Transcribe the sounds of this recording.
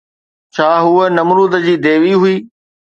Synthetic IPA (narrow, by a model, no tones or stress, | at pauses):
t͡ɕʰaːɦuənɐmɾuːd̪əd͡ʑiːd̪eːʋiɦʊiː